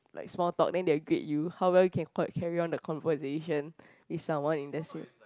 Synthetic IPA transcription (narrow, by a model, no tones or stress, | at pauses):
lʔa̰ɪksmɔltɔ̰k̚dɛ̃ndeəɡɹḭʔ̚juhawwɛljukʰɛ̃nkʰɛɹiɔ̃ndəkʰɔ̃nvəzeʃə̃n | wiθsãmwãnĩndɛsḭ̃